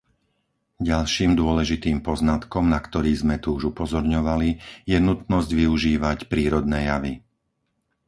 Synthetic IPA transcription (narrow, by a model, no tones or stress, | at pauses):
ɟalʃiːmd̪ʊɔlɛʒit̪iːmpɔznat̪kɔmnakt̪ɔɾiːzmɛt̪uuʒupɔzɔɾɲɔʋalijɛnut̪nɔzɟʋiuʒiːʋacpɾiːɾɔd̪nɛːjaʋi